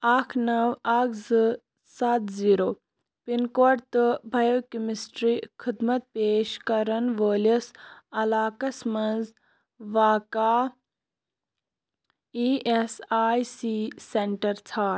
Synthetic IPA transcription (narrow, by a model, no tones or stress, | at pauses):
aːkʰnɐʋɐkʰzɨ | sɐt̪ziːɾoː | pinkoːɾt̪ɨbʱɐjokimisʈɾiːkʰid̪mɐt̪̚peːʃkɐɾɐnʋəːlisɐlaːkɐsmɐ̃nz | ʋaːkaː | iʔesaːjsiseɳʈɐɾt͡sʰaː